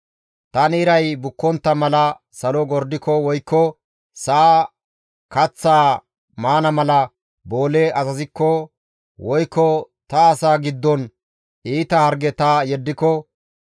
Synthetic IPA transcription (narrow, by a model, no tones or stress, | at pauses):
t̪ɐnɪɪɾɐjbʊkːɔnt̪ːɐmɐlɐ | sɐlɔɡɔɾd̪ɪkɔwɔjkːɔ | saː | kɐt͡sːaː | maːnɐmɐlɐ | bo̞ːlɛʔɐzɐzɪkːɔ | wɔjkːɔ | t̪ɐːsaːɡɪd̪ːɔn | iːt̪ɐhɐɾɡɛt̪ɐjɛd̪ːɪkːɔ